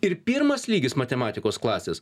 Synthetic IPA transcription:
ɪɾpʲɪːɾmɐslʲiːɡʲɪsmɐt̪ʲɛmɑːt̪ʲɪkoːsklˠɑːsʲeːs

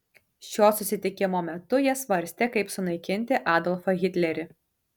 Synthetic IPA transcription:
ʃʲoːsʊsʲɪt̪ʲɪkʲɪmoːmʲɛt̪ʊjiɛsʋɐɾʲsʲt̪ʲeːkɐɪpsʊnɐɪkʲɪnʲt̪ʲɪʔɑːd̪ɔlˠfɐɣʲɪt̪ʲlʲɛɾʲɪ

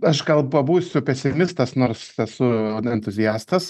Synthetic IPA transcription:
ɐʃɡɐlˠɐbuːsʲʊpʲɛsʲɪmʲɪst̪ɐsnoːɾsɛsʊɛnt̪ʊzʲɪjæːst̪ɐs

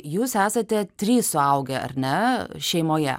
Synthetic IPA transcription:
juːsæːsɐt̪ʲɛt̪ʲɾʲiːssʊɐʊɡʲɛɐ̰ɾʲnʲɛʃʲɛɪmoːjɛ̰

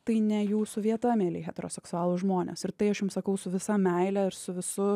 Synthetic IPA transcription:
t̪ɐɪnʲɛjuːsʊʋʲiɛt̪ɐmʲeːlʲeɪxʲɛt̪ʲɛɾoːsʲɛksʊɑːlˠʊʒmoːnʲḛːsɪɾt̪ɐɪɐʃjʊmsɐkɐʊsʊʋʲɪsɐmʲɛɪlʲæɪɾsʊʋʲɪsʊ

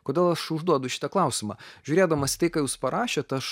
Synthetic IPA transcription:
koːd̪ʲeːlˠɐʃʊʒd̪uɔd̪ʊʃʲɪ̥t̪ɐklˠɐˑʊsʲɪmɑ̰ːʒʲuːɾʲeːd̪ɐmɐsʲɪ̥t̪ɐɪkɑːjuːspɐɾʔɑːʃʲet̪ɐʃ

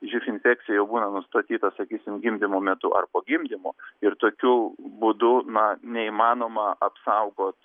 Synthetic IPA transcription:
ʒʲufʲɪnʲfʲæːk̚t͡ssʲɪjɛjɛʊbuːnɐnʊst̪ɐt̪ʲiːt̪ɐsɐkʲiːsʲɪmɡʲɪmʲd̪ʲɪmoːmʲɛt̪ʊʔɐ̰rpoːɡʲɪmʲd̪ʲɪmoːɪɾt̪oːkʲubʊd̪ʊnɐnʲɛiːmɑːnoːmɐɐpsɐʊɡoːt̪

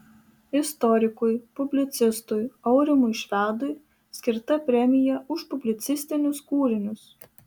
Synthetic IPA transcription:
ɪst̪ɔɾʲɪkʊjpʊbʲlʲɪt̪sʲɪst̪ʊjɒʊɾʲɪmʊjʃʲʋʲæːd̪ʊj | sʲkʲɪɾt̪ɐpʲɾʲɛmʲɪjɛʊʃpʊbʲlʲɪt̪sʲɪsʲt̪ʲɪnʲʊskuːɾʲɪnʲʊs

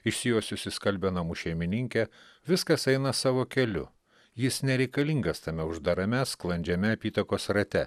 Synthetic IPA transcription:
ɪʃʲsʲɪjoːsʲʊsʲɪskɐlʲbʲɛnɐmuʃʲɛɪmʲɪnʲɪŋʲkʲɛ | ʋʲɪskɐsɛɪnɐsɑːʋoːkʲɛlʲʊ̰ | jɪsnʲɛɾʲɛɪkɐlʲiŋɡɐst̪ɐmʲɛʊʒd̪ɐɾɐmʲɛsklˠɐnʲd͡ʒʲɛmʲɛɐpʲiːt̪ɐkoːsɾɐt̪ʲɛ

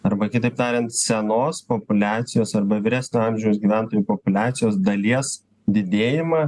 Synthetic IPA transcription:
ɐɾbɐkʲɪt̪ɐɪpt̪ɑːɾʲɛnt̪sʲɛnoːspopʊlʲæːt̪sʲɪjoːsɐrbɐʋʲɪɾʲæːsʲnʲoɑmʲʒʲɛʊsɡʲiːʋʲæˑnt̪oːjuːpopʊlʲæːt̪ʲɪjoːsd̪ɐlʲiɛs | d̪ʲɪd̪ʲeːjɪmɑː

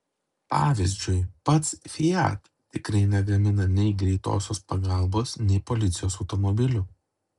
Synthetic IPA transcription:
pɑːʋʲɪzʲd͡ʒʲʊɪpɐt̪sfʲɪjæ̰ːt̪ | t̪ʲɪkɾɐɪnʲɛɡɐmʲɪnɐnʲɛɪɡɾʲɛɪt̪o̰ːsʲoːspɐɡɐˑlˠboːsnʲɛɪpɔlʲɪt̪sʲɪjoːsɒʊt̪ɔmɔbʲɪlʲʊ

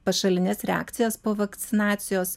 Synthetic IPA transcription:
pɐʃɐlʲɪnʲɛsɾʲɛa̰ːkt̪sʲɪjɛspoːʋɐkt̪sʲɪnɑːt̪sʲɪjoːs

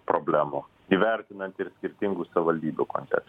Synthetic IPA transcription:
pɾobʲlʲæːmu | iʋʲæˑɾʲt̪ʲɪnɐnt̪ɪɾsʲkʲɪɾʲt̪ʲɪŋɡuːsɐʋʲɪʋɐlʲd̪ʲiːbʲuko̰nt̪ʲɛ̰k

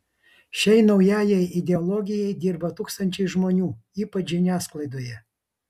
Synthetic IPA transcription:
ʃʲɛɪnɒʊjæːjɛɪɪd̪ʲɛɔlˠɔɡʲɪjɛɪd̪ʲɪɾbɐt̪uːkst̪ɐnʲt͡ʃʲɛɪʒmoːnʲuːiːpɐt͡ʃʒʲɪnʲæːsklˠɐɪd̪oːjɛ

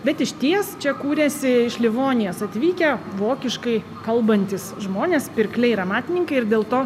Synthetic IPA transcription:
bʲɛt̪ɪʃʲt̪ʲiɛst͡ʃʲɛkuːɾʲɛsʲɪɪʃlʲɪʋoːnʲɪjoːsɐt̪ʲʋʲiːkʲɛʋoːkʲɪʃkɐɪ | kɐlˠbɐnʲt̪ʲɪsʒmoːnʲeːspʲɪɾʲklʲɛɪɾɐmɑːt̪ʲɪnʲɪŋkɐɪɪɾd̪ʲeːlˠt̪oː

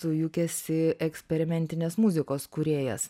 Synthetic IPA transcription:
sʊjʊkʲɛsʲɪɛksʲpʲɛɾʲɪmʲɛnʲt̪ʲɪnʲeːsmʊzʲɪkoːskʊɾʲeːjɛ̰s

